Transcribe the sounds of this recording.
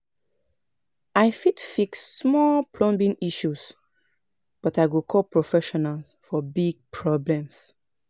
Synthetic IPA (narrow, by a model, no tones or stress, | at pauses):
aɪfitfiksːmɔlpʰlɔ̃mbĩŋiʃus | b̥ɔtaɪɡukʰɔlpɹofɛʃɔnalsfɔbiɡ̚pʰɹɔblɛ̃ms